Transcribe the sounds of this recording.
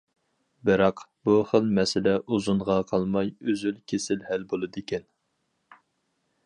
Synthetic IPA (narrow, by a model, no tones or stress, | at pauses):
bɨɾɑqbuχəlˠmɛsɪlɛʔuzunʁɑqʰɑlˠmɑjøzylkʲʰesɪlhælbolˠɨd̪ekʲɛn